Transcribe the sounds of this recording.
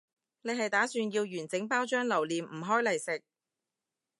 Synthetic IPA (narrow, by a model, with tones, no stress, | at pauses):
ne˨˧jɦɐ˨jt̪aː˨˥syː˧njiː˧wjyː˨˩nt͡sɪ˨˥ŋpaː˥wt͡ʃœː˥ŋlɐ˨˩wliː˨˩mm̩˨˩ɦɔː˥jlɐ˨˩jsɪ˨k̚